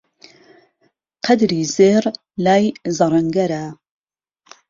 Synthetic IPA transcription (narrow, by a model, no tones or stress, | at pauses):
qʰɐd̪ɾiːzeːr | laːjzɐɾˤɐŋɡɐɾa